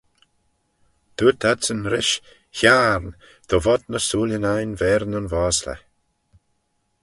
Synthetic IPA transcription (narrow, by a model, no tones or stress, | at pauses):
t̪ʰuːt̪ʰadsənɾɪʃ | çaːɾn | d̪̥ɔvɔd̪̚nəsuːljənajnvɛːɾnʊnvaːslə̰